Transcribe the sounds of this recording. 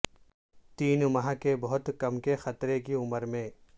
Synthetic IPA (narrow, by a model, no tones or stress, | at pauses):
t̪iːnmɐɦãkebɐɦʊt̪kɐmkexɐt̪ɾekiʊməɾmẽː